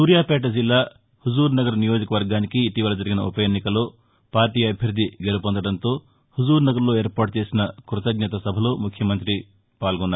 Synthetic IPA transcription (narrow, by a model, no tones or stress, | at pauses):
suːɾjaːpɛːʈ̬ɐd͡ʒilːaː | hud͡ʒuːɾunɐɡɐɾɐnijoːd͡ʒɐkɐʋɐɾɡaːnikiːʈiʋɐlɐd͡ʒɐɾiɡinɐupɐjɐnːikɐlo̞ː | paːɾʈiːɐɐbʱjɐɾud̪ʱːiɡelupond̪ɐɽɐnt̪o̞ː | huzuːɾnɐɡɐɾlo̞ːe̞ːɾpaːʈ̚t͡ʃe̞ːsinɐkɾut̪ɐɡɲɐt̪ɐsɐbʱɐlo̞ːmukʰjɐmɐnt̪ɾi | paːlɡonːa